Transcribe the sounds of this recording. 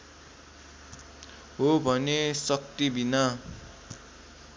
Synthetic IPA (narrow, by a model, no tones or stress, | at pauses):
ɦobʱʌnesʌk̚t̪ibina